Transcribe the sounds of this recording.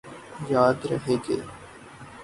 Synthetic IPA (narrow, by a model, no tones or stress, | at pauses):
jaːd̪ɾə̰ɦeːɡḛː